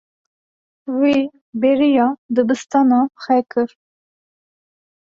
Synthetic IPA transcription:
wi | beɾijɑd̪ɨbɨst̪ɑnɑxɛkʰɨɾ

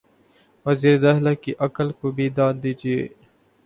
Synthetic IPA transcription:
ʋəziːɾed̪aːɦlaːkiʔɐkəlkobʱiːd̪ãːnd̪iːd͡ʒiḛː

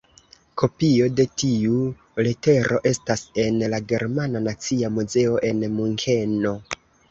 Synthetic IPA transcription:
kʰo̞pio̞de̞tiu | lete̞ɾʔo̞ʔe̞stase̞nlaɡe̞ɾmananat͡siamuze̞o̞ʔe̞nmuŋke̞no̞

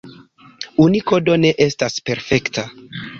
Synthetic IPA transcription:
uniko̞do̞ne̞ʔestaspe̞ɾfe̞kta

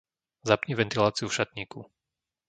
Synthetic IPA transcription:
zapɲiʋɛnt̪ilaːt͡siufʃat̪ɲiːku

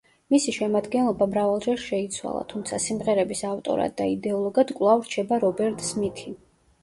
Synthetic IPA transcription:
misiʃɛmad̪ɡɛnlˠɔbamɾavalˠd͡ʒɛɾʃɛit̪sʰwa̰lˠa̰t̪ʰumt̪sʰasimʁɛɾɛbisaft̪ʼɔ̰ɾa̰d̪ːaid̪ɛɔlˠɔɡad̪̥kʼwlˠavɾt͡ʃʰɛbaɾɔbɛɾt̪ʼsmit̪ʰi

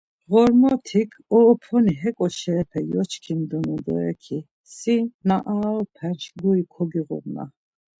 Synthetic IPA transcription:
ɣɔɾmɔt̪ʰikʰɔːpʰɔniɦɛkʼɔʃɛɾɛpʰɛjɔt͡ʃkʰimd̪ɔnud̪ɔ̰ɾɛkʰi | sinaʔaɾɔpʰɛnʃɡuikʰɔɡiɣɔ̰ɾna̰

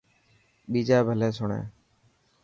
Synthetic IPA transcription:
ɓiːd͡ʒaːbʱəleːsʊɳḛ̃ː

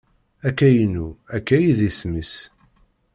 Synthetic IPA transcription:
ækːæjnuækːæjiðismis

